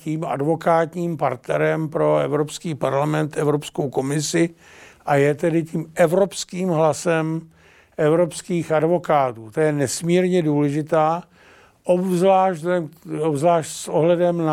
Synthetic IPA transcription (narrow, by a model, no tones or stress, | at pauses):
ciːma̰dvo̞kaːt̪ɲiːmpaɾt̪nɛɾɛmpɾo̞ɛ̰vɾopskiːpaɾlamɛnt̪ɛvɾopskowko̞mɪsɪ | ʔajɛt̪ɛdɪciːmɛvɾo̞pskiːmɦlasɛm | ʔɛvɾo̞pskiːxadvo̞kaːt̪uːt̪ojɛnɛsmiːɾɲɛduːlɛʒɪt̪aː | ʔobzlaːʃɛobzlaːʃtsʔoɦlɛdɛmna